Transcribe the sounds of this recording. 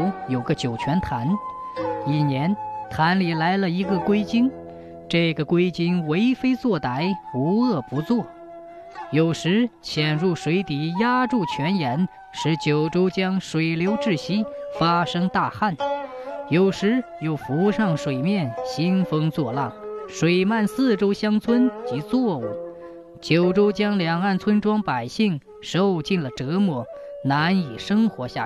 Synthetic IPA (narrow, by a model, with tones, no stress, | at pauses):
jo˨˩ʊɡə˦t͡ɕjo˨˩ʊt͡ɕʰɥɛ˧˥nt̪ʰa˧˥n | i˨˩njɛ˧˥nt̪ʰa˧˥nli˨˩la˧˥ɪlə˧i˧˥ɡə˧kwe˥ɪt͡ɕi˥ŋ | ʈ͡ʂɤ˥˩ɡə˩kwe˥ɪt͡ɕi˥ŋwe˧˥ɪfe˥ɪt͡swɔ˥˩t̪a˧˥ɪu˧˥ɤ˥˩pu˧˥t͡swɔ˥˩ | jo˨˩ʊʂɻ̩˧˥ɕʰjɛ˨˩nɻu˥˩ʂwe˧˥ɪt̪i˨˩ja˥ʈ͡ʂu˥˩t͡ɕʰɥɛ˧˥njɛ˧˥n | ʂɻ̩˧˥t͡ɕjo˨˩ʊʈ͡ʂo˥ʊt͡ɕjɑ˥ŋʂwe˨˩ɪljo˧˥ʊʈ͡ʂɻ̩˥˩ɕi˥fa˥ʂɤ˥ŋt̪a˥˧xa˥˩njo˨˩ʊʂɻ̩˧˥jo˨˧˩ʊfu˧˥ʂɑ˥˩ŋʂwe˨˩ɪmjɛ˥˩nɕi˥nfɤ˥ŋt͡swɔ˥˧lɑ˥˩ŋʂwe˨˩ɪma˥˧nsɹ̩˥˩ʈ͡ʂo˥ʊɕjɑ˥ŋt͡sʰwə˥nt͡ɕi˧˥t͡sʰwɔ˥˧ṵ˥˩ | t͡ɕjo˨˩ʊʈ͡ʂo˥ʊt͡ɕjɑ˥ŋljɑ˨˩ŋa˥˩nt͡sʰwə˥nʈ͡ʂwɑ˥ŋpa˨˩ɪɕi˥˩ŋ | ʂo˥˧ʊt͡ɕi˥˩nlə˩ʈ͡ʂɤ˧˥mwɔ˧˥na˧˥ni˨˩ʂɤ˥ŋxwɔ˧˥ɕja̰˥˩